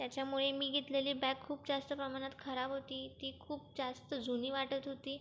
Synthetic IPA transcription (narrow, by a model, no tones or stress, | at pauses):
t̪jat͡ɕjamuɭemiːɡʱet̪leliːbɛkʰːuːpd͡zast̪əpɾəmaɽ̃at̪kʰəɾabɦot̪iːt̪iːkʰuːp̚d͡zast̪əd͡zʱuniːʋaʈət̪ɦot̪iː